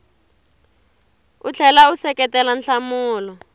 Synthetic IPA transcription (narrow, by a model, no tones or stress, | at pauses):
ut͡ɬʰɛlausɛkɛtɛlanɬamuːlɔ